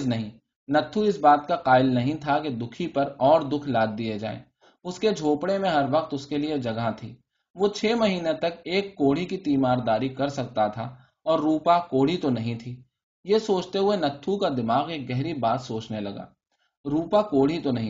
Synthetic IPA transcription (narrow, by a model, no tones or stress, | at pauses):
znɐɦĩː | nɐt̪ʰːuɪsbaːt̪̚kaqaːɪlnɐɦĩt̪ʰaked̪ʊkʰipɐɾɔːɾd̪ʊkʰlaːd̪̚ːijed͡ʒa̰ːḛː | ʊsked͡ʒʱoːpɽemẽɦɐɾʋɐq̚t̪ʊskelied͡ʒɐɡat̪ʰḭː | ʋot͡ʃʰeːmɐɦiːnet̪ɐkeːkːoːɽ̤ikit̪iːmaːɾd̪aːɾikɐɾsɐk̚t̪at̪ʰa | ɔːɾːuːpakoːɽ̤it̪onɐɦĩt̪ʰiː | jesoːt͡ʃt̪eɦʊenɐt̪ʰːukad̪ɪmaːɣeːk̚ɡɛɦɾibaːt̪soːt͡ʃnelɐɡa̰ː | ɾuːpakoːɽ̤it̪onɐɦĩ